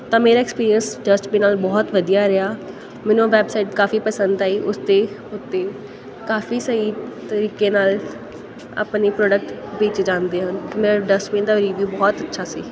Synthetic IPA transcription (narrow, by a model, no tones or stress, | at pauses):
t̪ãːmeːɾaːɛkspiːɾiənsd͡ʒəsʈbeːnaːlbɔːt̪ʋəd̪ijaːɾəaː | mɛ̃ːnũːʋɛːbsaːɪʈkaːfiːpəsənd̪aːiːʔʊst̪eːʊt̪ːeː | kaːfiːsəiːt̪əɾiːkeːnaːl | a̰ːpneːpɾɔːɖək̚ʈbeːt͡ʃd͡ʒãːnd̪eːɦənmeːaɖəsmĩːd̪aːɾiːʋjuːbɔːt̪ətːʃʰaːsḭː